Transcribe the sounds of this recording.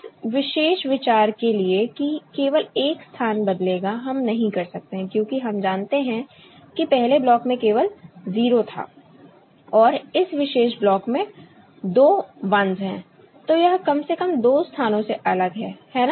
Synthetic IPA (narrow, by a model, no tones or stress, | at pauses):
ɪsʋɪʃeːʃʋɪt͡ʃaːɾkeliekikeːʋəleːkst̪ʰaːnbɐd̪leːɡaɦɐmnɐɦĩkɐɾsɐk̚t̪eɦɛ̃kjõːkiɦɐmd͡ʒaːnt̪eɦɛ̃ | kipɛɦleblɔːkmẽkeːʋəlziːɾot̪ʰa̰ː | ɔːɾɪsʋɪʃeːʃblɔːkmẽ | d̪oːʋɐ̃nzɦɛ̃ː | t̪ojɐɦkɐmsekəmd̪oːst̪ʰaːnõseʔɐləɡɦɛːhɛːna